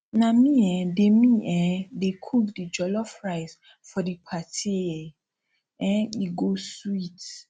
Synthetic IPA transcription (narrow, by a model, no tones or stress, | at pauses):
nãmĩɛdemĩʔɛdekʰuldid͡ʒɔlɔfɹaɪz | fɔdipʰatʰiɛ | ɛ̃iɡosuit